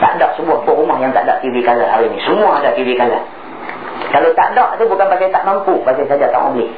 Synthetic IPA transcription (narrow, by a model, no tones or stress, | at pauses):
t̪aʔdaʔsəbuahpɔʔumahjaŋt̪a̰ʔdaʔt̪iwikalaa̰ɾinisəmuaːdaht̪iwikala | kalot̪aʔdaʔt̪ubukanbasajt̪aʔmampubakajsad͡ʒat̪a̰ŋɔ̰ʔbəlɪh